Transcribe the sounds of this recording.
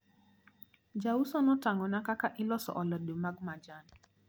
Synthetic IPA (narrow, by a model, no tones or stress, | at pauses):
d͡ʒausɔnɔtaŋɔnakakaʔɪlɔsɔ̰ʔɔlɔdomaɡmad͡ʒan